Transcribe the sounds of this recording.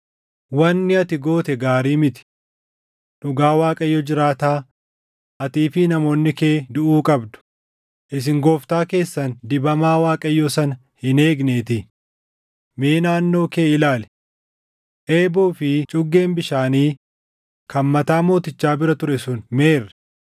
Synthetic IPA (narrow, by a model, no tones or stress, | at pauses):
wɐnːɪɐt̪ɪɡo̞ːt̪ɛɡaːɾiːmɪt̪ɪ̥ | ᶑʊɡaːwaːkʼɐjːɔd͡ʒɪɾaːt̪aː | ʔɐt̪iːfɪnɐmo̞ːnːɪke̞ːd̪ʊʔuːkʼɐbd̪ʊ̥ | ʔɪs̬ɪŋɡoːft̪aːke̞ːsːɐnd̪ɪbɐmaːwaːkʼɐjːɔsɐnɐ | hɪneːɡneːt̪ɪ | meːnaːnːo̞ːke̞ːɪlaːlɛ̥ | ʔe̞ːbuːfɪt͡ʃʼʊɡːe̞ːmbɪʃaːniː | kɐmmɐt̪aːmo̞ːt̪ɪt͡ʃːaːbɪɾɐt̪ʊɾɛsʊnmeːrːɛ